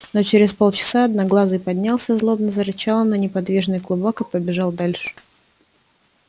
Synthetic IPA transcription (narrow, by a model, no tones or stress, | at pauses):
not͡ɕɪɾʲɪspo̞lˠt͡ɕɪ̥saɐd̪nɐɡlˠazɨjpɐdʲnʲalˠsʲəzlˠo̞bnəzəɾɨt͡ɕalˠənənʲɪpɐd̪vʲiʐnɨjklˠʊbokɨpəbʲɪʐɑlˠd̪alʲʂɨ̥